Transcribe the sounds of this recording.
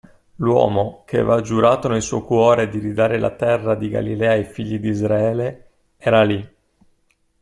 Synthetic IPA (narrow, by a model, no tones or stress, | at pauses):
lwɔ̰ːmokʰevad͡ʒuɾaːt̪onelsuɔjkwɔːɾed̪iɾid̪aːɾelʔa̰t̪ɛrːad̪iɡa̰lilɛːajfiʎːid̪iːzɾaɛːle | ɛːɾali